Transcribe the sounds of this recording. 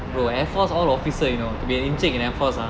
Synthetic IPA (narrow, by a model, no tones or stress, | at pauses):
ɹoɛfɔsɔlɔfisəjunot̪ubiĩnd͡ʒɛk̚ĩnɛfɔsa